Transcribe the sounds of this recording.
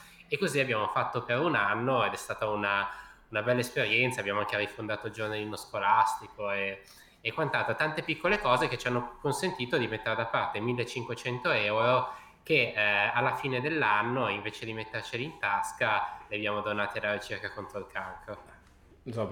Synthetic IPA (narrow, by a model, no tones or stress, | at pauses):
ekːoziabjaːmofat̪ːopeɾunanːoed̪ɛst̪aːt̪aunaunabɛlːaespeɾjɛnt̪sabjaːmoaŋk̟erifond̪aːt̪od͡ʒornalizmoskolast̪ikoeː | kːwant̪alt̪ot̪ant̪epikːolekɔːzeket͡ʃianːokonsent̪iːt̪od̪imet̪ːeɾed̪apːart̪emilːet͡ʃːiŋkwet͡ʃɛnt̪oɛwɾo | k̟ealːafiːned̪elːanːoiɱveːt͡ʃed̪imet̪ːert͡ʃiliːnt̪askaleabjaːmod̪onaːt̪iad̪aːɾet͡ʃirkakont̪ɾoilkʰalko